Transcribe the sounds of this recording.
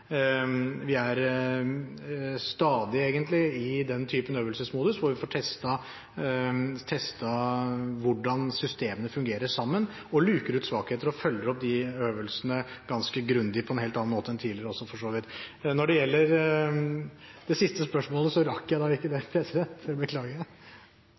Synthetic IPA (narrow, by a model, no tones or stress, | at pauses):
ʋɪæɾ | st̪ɑːd̪ɪeːɡənt̪lɪɪd̪ɛnt̪ʰyːpənøːʋəlsəsmuːd̪əsʋʊɾʋɪfɔːʈʰɛst̪ɑ | t̪ʰɛst̪ɑʋʊɖɑnsʏst̪eːmənəfʉŋɡeːɾəʂɑmːən | ɔlʉːkəɾʉːt̪sʋɑːkheːt̪əɾɔfœlːəɾɔp̚d̪ɪøːʋəlsənəɡ̥ɑnskəɡɾʉnd̪ɪəpʰɔɛnheːlt̪ɑnːnmoːt̪əɛnt̪ʰiːlɪəɾəɔsːɔfɔʂoːʋɪt̪ːnɔɖɛjɛlːəɾ | d̪̥ɛsɪst̪əspœʂmoːləsɔɾɑkːjæɪd̪ɑːɪkːəd̪ɛpʰɾɛsɪd̪ɛnt̪ɪbəkʰlɑːɡə